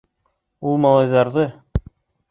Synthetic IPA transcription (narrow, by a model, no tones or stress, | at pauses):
ulˠmɑlˠɑjðɑɾðɤ